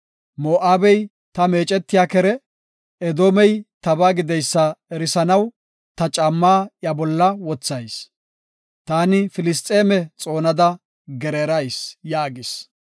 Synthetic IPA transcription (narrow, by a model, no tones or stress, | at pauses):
moːʔaːbɛj | t̪ɐme̞ːt͡ʃʼɛt̪ːɪjaːkɛɾɛ | ɛd̪oːmɛjt̪ɐbaːɡɪd̪ɛjsːɐɛɾɪsɐnɐw | t̪ɐt͡ʃʼɐmːaːʔjɐbɔlːɐwɔt͡sːɐjs | t̪aːnɪfɪlɪst̪ʼeːmɛt͡sʼo̞ːnɐd̪ɐ | ɡɛɾeːɾɐjsjaːɡɪs